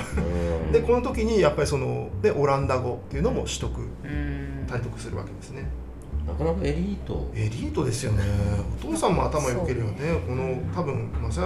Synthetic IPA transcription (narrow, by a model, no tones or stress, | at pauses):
d̪e̞ko̞no̞t̪o̞kʲiɲ̟ijapːaɾʲiso̞no̞̰ne̞ʔo̞ɾãnd̪aɡo̞t̪ːe̞iɯ̟no̞mo̞ɕi̥t̪o̞kɯ̟ | t̪ait̪o̞kɯ̟̥sɨɾɯ̟βa̰ke̞d̪e̞sɨne̞ | nakanakaeɾʲiːt̪o̰e̞ɾʲiːt̪o̞d̪e̞sɨjo̞̰ne̞o̞t̪o̞ːsãmːo̞̰a̰t̪amajoke̞ɾeβaneko̞no̞t̪abɯ̟̃ɴmas